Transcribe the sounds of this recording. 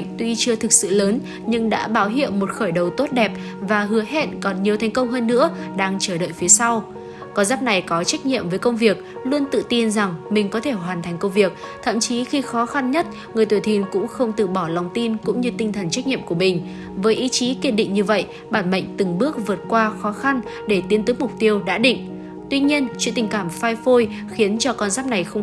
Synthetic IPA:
ŋ̟t̪wi˧t͡ɕɨ˧ət̪ʰɨ˨˩k̚sɨ̰˧˨ləː˨˦n | ɲɨ˧ŋɗa̰ː˧˥ɓaː˨˦wɦḭ˧˨əwmo˨˩t̚xəː˧˩jɗə˨˩wt̪o˦˥t̚ɗɛ˨˩p̚ | vaː˨˩ɦɨ˨˦əɦḛ˧˥nkɔ˨˩nɲi˨˩əwt̪ʰa˨˩jŋ̟kə˧wŋ͡mɦəː˧nːɨ̰˧˥əɗaː˧ŋt͡ɕəː˧˩ɗə̰ː˧˨jfi˨˦əsa˧w | kɔ˧zaː˦˥p̚na˨˩jkɔ˨˦t͡ɕa˦˥jk̟̚ɲḭ˧˨əmvəː˨˦jkə˧wŋ͡mvi˨˩ək̚lu˧ənt̪ɨ̰˧˨t̪i˧nza˨˩ŋmï˨˩ŋ̟kɔ˨˦t̪ʰe˧˩ɦwaː˨˩nt̪ʰa˨˩jŋ̟kə˧wŋ͡mvi˨˩ək̚t̪ʰə̰˧˨mt͡ɕi˨˦xi˧xɔ˨˦xa˧nɲə˦˥t̚ | ŋɨ˨˩əjt̪uː˧˩jt̪ʰi˧nkʊ̰˧˥ŋ͡mxə˧wŋ͡mt̪ɨ̰˧˨ɓɔ˧˩la˨˩wŋ͡mt̪i˧nkʊ̰˧˥ŋ͡mɲɨ˧t̪ï˧ŋt̪ʰə˨˩nt͡ɕa˦˥k̟̚ɲḭ˧˨əmku˧˩əmï˨˩ŋ̟ | vəː˨˦jʔi˨˦t͡ɕi˨˦ke˦˥t̚ɗḭ˧˨ŋ̟ɲɨ˧və̰˧˨j | ɓaː˧˩nmə̰˧˨jŋ̟t̪ɨ˨˩ŋɓɨ˦˥ək̚vɨ˨˩ət̚kwaː˧xɔ˨˦xa˧n | ɗe˧˩t̪i˨˦ənt̪ɨ˨˦mʊ˨˩k͡p̚t̪i˧əwɗa̰ː˧˥ɗḭ̈˧˨ŋ̟ | t̪wi˧ɲi˧ənt͡ɕwḭ˧˨t̪ï̟˨˩kaː˧˩mfaː˧jfo˧j | xi˨˦ənt͡ɕɔ˧kɔ˧nzaː˦˥p̚na˨˩jxə˧wŋ͡m

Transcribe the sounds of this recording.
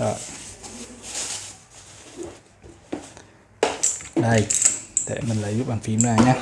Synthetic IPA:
ɔ̰˧˩j | ɗə˧˩jɗḛ˧˩mï˨˩laː˧˨˦jzu˦˥k͡p̚ɓaː˨˩fi˨˦əmlaː˨˩ɲaː˧˥

